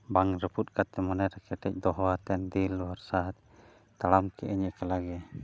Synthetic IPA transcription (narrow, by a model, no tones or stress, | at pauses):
baŋɾəput̪̚kat̪ɛmɔnaɾakɛʈ̪ɛc̚d̪ɔɦat̪ɛnd̪ilwaɾsat̪̚ | t̪alamkʰɛʔɛɲɛkəlaɡɛ